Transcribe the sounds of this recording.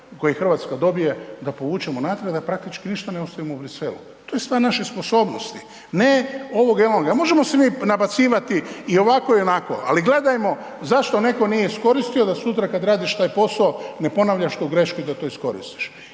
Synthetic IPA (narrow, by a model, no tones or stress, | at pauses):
kojixr̩ʋaːt̪skad̪o̞bije̞d̪apo̞ʋuːt͡ʃemonaːt̪ɾed̪apɾak̚t̪it͡ʃkiniʃt̪aneost̪aʋimoubɾiselṵ | t̪ojest̪ʋaːɾnaʃespo̞so̞ːbnost̪i̥ | neo̞ʋo̞ɡeloŋɡamo̞ʒe̞mo̞se̞miːnabat̪siːʋat̪iːo̞ʋako̞ionako̞̰a̰liɡle̞d̪ajmo̞ | zaʃt̪o̞ne̞ko̞nije̞isko̞ɾist̪io̞d̪asut̪ɾakad̪ɾaːd̪iʃt̪aːjpo̞saone̞po̞naʋʎaʃt̪oɡɾe̞ʃkuid̪at̪o̞isko̞ɾḭst̪i̥ʃ